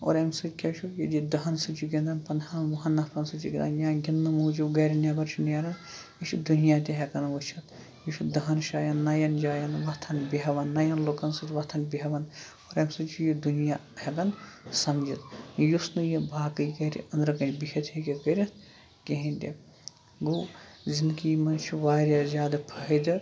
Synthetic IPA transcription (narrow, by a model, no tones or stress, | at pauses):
o̰ɾɐmsɨt̪ʲkʲɐʃʰujɐd̪id̪ɐɦɐnsɨt͡ʃiɡʲind̪ɐnpɐnd̪ʰanʋuɦɐnːɐpʰɐnsɨt͡ʃiɡʲinanjãːɡʲinːɨmuːd͡ʒuɡɐɾʲinjɐbɐɾt͡ʃʰinjɐɾɐnjiʃʰid̪unijat̪ʲiɦekɐnʋut͡ʃʰɐt̪ | juʃʰid̪ɐɦɐnʃaːjɐnːɐjɐnd͡ʒaːjɐnʋɐt̪ʰɐnbiɦɐʋɐnːɐjɐnloːkɐnsɨt̪ʋɐt̪ʰɐnbiɦɐʋɐn | oɾɐmsɨt͡ʃʰijid̪unijahekɐnsɐmd͡ʒit̪jusnɨjibʱaːkɨjkɐɾḭɐnd̪ɾɐkɐnʲbikʲʰɐt̪ʰikʲekɐɾʲɐt̪ | kʲeɦĩnʲd̪ʲḛ | ɡowzind̪kimɐnt͡ʃʰiʋaːɾʲjazʲaːd̪ɐpʰɐɦɐd̪ɐɾ